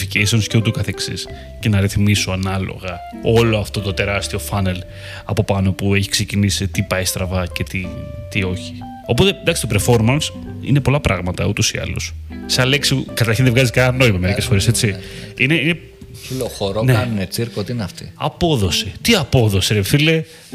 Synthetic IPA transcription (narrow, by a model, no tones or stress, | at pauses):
ficeist̪onsceðot̪ukɐθe̞ksis | ce̞nɐɾiθmisoɐnɐlo̞̰ɣɐ | o̞lo̞ɐft̪o̞t̪ot̪e̞ɾɐst̪io̞fɐne̞l | ɐpo̞pɐno̞pue̞çi̥ksecinisit̪ipɐjst̪ɾɐvɐce̞t̪it̪io̞çi̥ | o̞po̞t̪e̞nd̪ɐksit̪o̞peɾfo̞ɾmɐns | ḭnepo̞lɐpɾʔɐɣmɐt̪ɐut̪osiɐ̰lṵssɐleksikɐt̪ɐɾçinðevɣɐziskɐnɐno̞imɐmeɾicesfo̞ɾe̞se̞t͡siineine | filoxoɾoneɐnunet͡siɾkoot̪iineɐft̪iɐ̰po̞ðo̞set̪iɐpo̞ðo̞seɾepθile